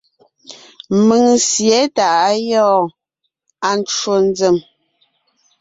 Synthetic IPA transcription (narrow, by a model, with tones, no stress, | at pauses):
mə˨ŋsje˨˦ta˨a˦jɔː˦˨ | a˨n˦t͡ʃwo˨n˦d͡ze˨m